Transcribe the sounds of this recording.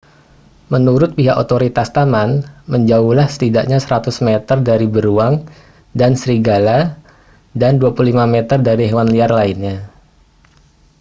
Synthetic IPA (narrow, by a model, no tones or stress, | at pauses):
mənuɾʊt̪̚piɦakot̪oɾit̪ast̪amanməɲd͡ʒaulahsə̥t̪idaʔɲasəɾat̪ʊsmet̪ərdaɾibəɾuaŋ | dansəɾiɡala | danduapululimamet̪ərdaɾiɦewanliarlainɲa